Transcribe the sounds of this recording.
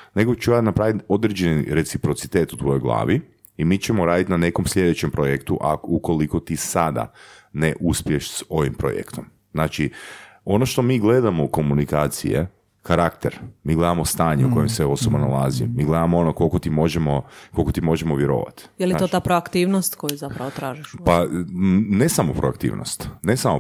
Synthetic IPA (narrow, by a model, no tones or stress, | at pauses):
ne̞ɡot͡ʃuat̪napɾaːʋit̪o̞d̪ɾed͡ʑeniɾe̞t̪sipɾo̞t̪si̥t̪eːt̪ut̪ʋo̞jojɡlˠa̰ːʋi | imiːt͡ɕemoɾaːd̪it̪nane̞ko̞mslʎʲe̞d̪et͡ɕempɾojekt̪uʔa̰uko̞likot̪isad̪a̰neʔuspjeʃso̞ʋimpɾo̰jḛkt̪om | znaːt͡ʃi | o̞no̞ʃt̪o̞miːɡle̞d̪amouko̞munikaːt̪sḭjḛ | kaɾakt̪eɾmiːɡle̞d̪amo̞st̪aːɲeuko̞jemseo̞sobona̰lˠazimiːɡle̞d̪amoo̞noko̞lˠkot̪imo̞ʒemo̞ko̞lˠkot̪imo̞ʒemoʋje̞ɾo̰ːʋa̰t̪jeliot̪apɾoakt̪iːʋnost̪kojuzapɾɐʋot̪ɾaːʒiʃpa | nesamopɾoa̰kt̪ḭːʋno̰st̪nesamo